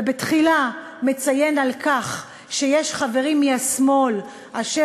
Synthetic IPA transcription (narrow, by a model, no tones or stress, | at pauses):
betχila | met͡saje̞nalkaχ | ʃejeʃχave̞ʁimːiasmo̞l | ʔaʃe